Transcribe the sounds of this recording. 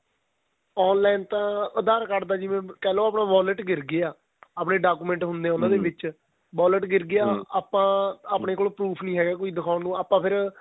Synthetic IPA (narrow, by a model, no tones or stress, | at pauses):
ɔːnlaːɪnt̪ãːəd̪aːɾkəʈd̪aːd͡ʒɪʋẽːkɛːloːaːpɳãːʋaːləʈɡɪɾɡɪaː | aːpɳeːɖaːkuːmɛ̃ɳʈɦʊnd̪eaːʊnãːd̪eːʋɪt͡ʃ | ʋaːləʈɡɪɾɡɪaːaːpãːaːpɳeːkoːlopɾuːpʰnĩːɦɛːɡaːkoːiːd̪ɪkʰaːʊnnũːaːpãːpʰɪɾ